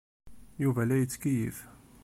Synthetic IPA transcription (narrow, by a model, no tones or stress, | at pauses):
juvælæjət͡sːkijḭf